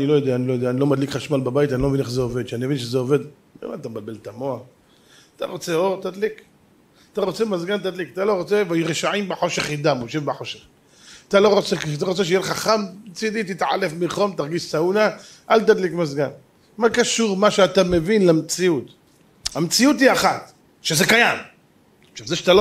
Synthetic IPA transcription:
anilojod̪eaːnilo̞jod̪eaːnilo̞mad̪likχaʃmalbabait̪anilomevineχzeove̞d̪ʃanimevinʃ̬ezeove̞d̪ | ḛma̰t̪ambalbe̞lt̪amo̞a | at̪a̰ʁo̞t͡seot̪ad̪lik | at̪aʁo̞t͡se̞mazɡant̪ad̪likat̪alo̞ʁo̞t͡se̞vajuʁeʃaʕimbeħo̞ʃe̞χid̪amoʃevbeħo̞ʃeχ | at̪alo̞ʁo̞t͡sekat̪aʁo̞t͡seʃ̬jelχaχamt͡sid̪it̪it̪ʕa̰lefmiχo̞mt̪aʁɡiʃsaunaʔalt̪ad̪likmazɡan | makaʃuʁmaʃeat̪amevinlamt͡siut̪ | hamet͡siut̪hiaχat̪ | ʃezekajam | ʃavzeʃat̪alo

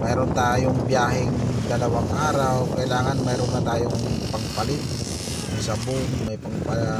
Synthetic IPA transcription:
mɛɾɔnt̪aːjʊŋbiaɦɪŋd̪alawaŋaɾawkailaːŋanmɛɾɔnkat̪aːjʊŋpaŋpalɪt̪̚ | masabʊŋmajpaŋpa

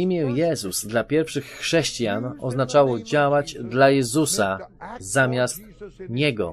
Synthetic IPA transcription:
imʲjɛjɛzuz̥d̪lapʲjɛɾfʂɘxːʂɛɕt͡ɕjanɔznat͡ʂawɔd͡ʑawad͡ʑd̪lajɛzusazamʲjast̪ɲɛɡɔ̰

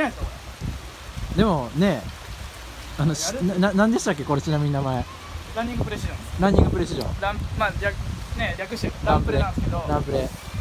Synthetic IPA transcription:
so | d̪e̞mo̞ne̞ | anoɕnnãnãnd̪e̞ɕi̥t̪akːe̞ko̞ɾet͡ɕinamʲiɲ̟inamae | ɾãɲ̟ːĩŋɡɯpɯɾeɕiʑõɾãɲ̟ːĩŋɡɯ̟pɯ̟ɾeɕ̬iʑõ̰ɾãmmaɾʲakneɾʲakɯ̟ɕeɾãmpɯ̟ɾeãsked̪oɾãmpɯ̟ɾe

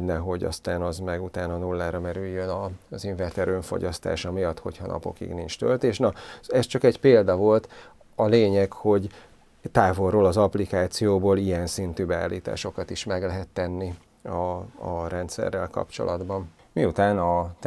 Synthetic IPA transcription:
nɛɦo̞ɟɒ̰st̪aːnɒzmɛɡut̪aːnɒnulːaːɾɒmɛɾyjːønɒziɱvɛrt̪ɛɾøːɱfo̰ɟɒst̪a̰ːʃɒmijɒt̪ho̞̰chɒnɒ̰po̞̰kḭɡnint͡ʃt̪ø̰lt̪eːʃnɒɛst͡ʃɒkɛɟpeːld̪ɒvo̞lt̪ | ɒleːɲɛkho̞ɟ | t̪aːvo̞rːoːlɒzɒplikaːt̪sijoːboːlijɛnsint̪yːbɛa̰ːlːiːt̪a̰ːʃo̞kɒt̪iʃmɛɡlɛɦɛt̪ːɛnːi | ɒːɾɛnt̪sɛ̰rːɛ̰lkɒ̰pt͡ʃo̞̰lʔɒd̪bɒn | miut̪aːnɒ

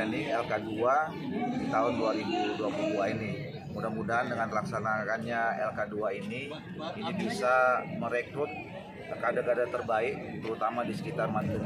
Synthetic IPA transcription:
aniɛlkadua | dit̪aɦʊnduaɾibuduapuduaini | mudamudaɦandəŋanlaksanakanɲaɛ̰lkaduaini | inibisaməɾɛkɾʊt̪̚ | kəkadakadat̪ərbaɪk̚t̪əɾut̪amadisə̥kit̪armand̪əŋ

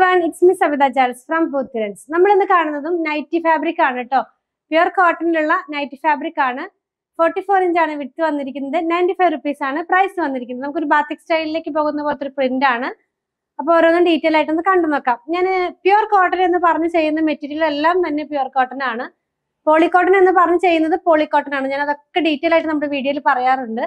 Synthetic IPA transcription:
ʋaːniksmisɐbiðaːt͡ɕaːlsfrɐmpuːt̪ːiɾɐnsnɐmːɐɭenːɨkaːɳunːɐðumnɐjtːifaːbɾikʲːaːɳiʈːo̞ː | pjoːrkoːʈːɐniluɭːɐnɐjtːifaːbɾikːaːɳɨ | foːrʈːifoːreɲd͡ʑaːɳɨʋitːɨʋɐnːiɾikʲːunːɐðɨnɐjnɖifɐjʋrupːiːsaːɳɨprɐjsɨʋɐnːiɾikʲːunːðɨnɐmukːoɾubaːt̪ːiksʈɐjlile̞ːkʲːɨpo̞ːɣunːɐpoːlet̪ːoɾuprindaːɳɨ | ɐpːoːɾonːɐɖiːtːeːlaːjiʈːenːɨkɐɳɖunːokːaːmɲaːnpjoːrkoːʈːɐne̞nːɨpɐrɐɲːut͡ɕe̞jːunːɐɨme̞tːiɾiile̞lːaːmt̪ɐnːe̞pjuːrkoːʈːɐnaːɳɨ | po̞ːɭikːo̞ːʈːɐnenːɨpɐrɐɲːut͡ɕe̞jːunːɐðɨpo̞ːɭikːo̞ːʈːɐnaːɳɨɲaːnɐðo̞kːe̞ɖiːtːelaːjiʈ̬ːɨnɐmuɽeʋiːɽijoilpɐrɐjaːruɳɖɨ

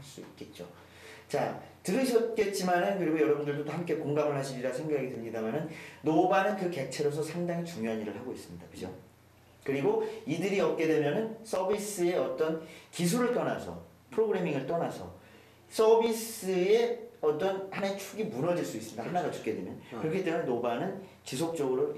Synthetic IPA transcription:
aɭs͈uit̚k͈e̞t̚t͡ɕ͈o̰ | t͡ɕa̰tɯɾɯɕʰʌt̚k͈e̞t̚t͡ɕ͈imanɯnkɯɾiɡojʌɾʌbundɯɭdotohamk͈e̞koŋɡamɯɭɦaɕʰiɾiɾasʰe̞ŋɡakʰaɡedemɲidamʌnɯnnobanɯnkɯke̞t͡ɕʰeɾosʰʌsʰaŋdaŋit͡ɕuŋjoɦaniɾɯɭhaɡois͈ɯmɲidakɯd͡ʑo̰ | kɯɾiɡoidɯɾiʌp̚k͈e̞dwe̞mjʌnɯns͈ʰʌbis͈ɯe̞ʌt͈ʌnkis̬ʰuɾɯɭt͈ʌna̰sʰʌ̰ | pʰɯɾoɡɯɾe̞miŋɯɭt͈ʌnasʰʌ̰ | s͈ʌbis͈ɯe̞ʌt͈ʌnhanaet͡ɕʰuɡimunʌd͡ʑiɭs͈uis͈ɯmɲidahʰanaɡat͡ɕu̥p̚k͈e̞dwe̞mjʌnkɯɾʌkʰitemjʌnːobanɯn | t͡ɕisʰok̚t͡ɕ͈ʌɡɯɾo

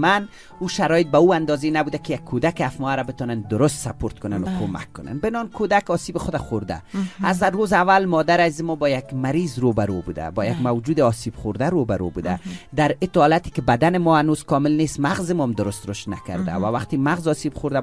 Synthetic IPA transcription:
man | uːʃaɾɔjɪt̪̚bauːand̪ɒzenabud̪akɪjakʰːod̪akɪafmɔaɾabɪt̪ɔnand̪ʊɾʊst̪sapoɾt̪kʊnanʊkʰoma̰kʰːʊna̰nbɪnɔnkʰod̪akɒsiːbɪxod̪axʊɾd̪a̰azaːozavalmɔd̪aɾazimɔbɔjakmaɾizɾobaɾobud̪a̰bɔjaɡmawd͡ʒuːd̪ɪɒsib̥χʊɾd̪aɾobaɾo̰bud̪ad̪aɾɪt̪ɔlat̪i̥kɪbad̪anɪmɔhanoz̥kɒmɪlnest̪maɣzɪmɔmd̪ʊɾʊst̪ɾʊʃt̪nakaɾd̪a̰wawaqt̪imaɣzɒsibxʊɾd̪a

